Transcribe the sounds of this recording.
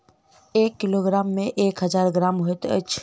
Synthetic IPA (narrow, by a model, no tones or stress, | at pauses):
eːkːɪloɡɾaːmːẽʔeːkɦɐzaːɾɡɾaːmɦoet̪ə̰t͡ʃʰ